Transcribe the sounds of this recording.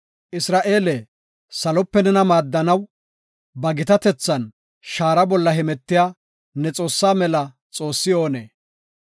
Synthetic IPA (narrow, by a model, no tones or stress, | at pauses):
ʔɪsɾaːʔe̞ːlɛ | sɐlɔpːɛnɛnɐmaːd̪ːɐnɐw | bɐɡɪt̪ɐt̪ɛt͡sːɐn | ʃaːɾɐbɔlːɐɦɛmɛt̪ːɪjaː | nɛt͡sʼo̞ːsːaːmɛlɐ | t͡sʼo̞ːsːɪjo̞ːnḛː